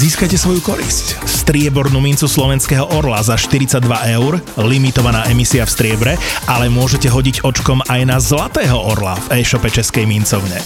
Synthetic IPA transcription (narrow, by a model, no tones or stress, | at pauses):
ziːskajcɛsʋɔjukɔɾḭscst̪ɾɪɛbɔɾnumint͡suslɔʋɛnskɛːɦɔʔɔɾlazaʃt̪iɾit͡saɟd̪ʋaʔɛʊɾlimit̪ɔʋanaːʔɛmisiafst̪ɾɪɛbɾɛʔalɛmʊɔʒɛcɛɦɔɟiɟɔt͡ʃkɔmajnazlat̪ɛːɦɔʔɔɾla̰vɛːʃɔpɛt͡ʃɛskɛjmint͡sɔʊɲɛ